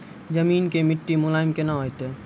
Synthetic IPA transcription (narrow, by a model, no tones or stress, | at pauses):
d͡ʒəmiːnkemɪʈːimʊlaːɪmkenaɦojt̪e